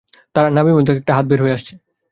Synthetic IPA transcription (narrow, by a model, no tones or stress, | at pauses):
t̪aɾanamimod̪ʱːeɛk̚ʈaɦat̪̚beɾɦoeaʃt͡ɕʰe